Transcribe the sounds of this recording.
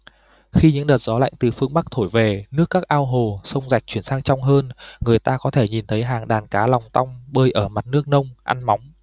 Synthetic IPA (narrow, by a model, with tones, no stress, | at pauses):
xi˧ɲɨ̰˧˥ŋɗəː˨˩t̚zɔ˨˦la̰˧˨jŋ̟t̪ɨ˨˩fɨ˧əŋɓa˦˥k̚t̪ʰo˧˩jve˨˩nɨ˦˥əkːaː˦˥k̚ʔaː˧wɦo˨˩sə˧wŋ͡mza˨˩jk̚t͡ɕwi˧˩ənsaː˧ŋt͡ɕɔ˧wŋ͡mɦəː˧nŋɨ˨˩əjt̪aː˧kɔ˨˦t̪ʰe˧˩ɲi˨˩nt̪ʰə˨˦jɦaː˨˩ŋɗaː˨˩nkaː˨˦la˨˩wŋ͡mt̪a˧wŋ͡mɓəː˧jʔəː˧˩ma˨˩t̚nɨ˦˥ək̚nə˧wŋ͡mʔa̰˧nma˨˦wŋ͡m